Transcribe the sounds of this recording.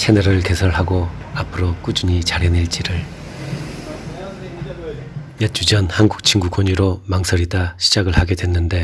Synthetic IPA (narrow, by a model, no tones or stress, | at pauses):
t͡ɕʰenʌɾɯɭke̞sʰʌɭɦaɡo | apʰɯɾok͈ud͡ʑuɲit͡ɕaɾjeniɭt͡ɕ͈iɾɯɭ | jʌt͡ɕ͈ud͡ʑʌnhanɡuk̚t͡ɕʰiŋɡukoɲiɾomaŋsʰʌɾidaɕʰid͡ʑaɡɯɭhaɡe̞dwe̞nːɯnde̞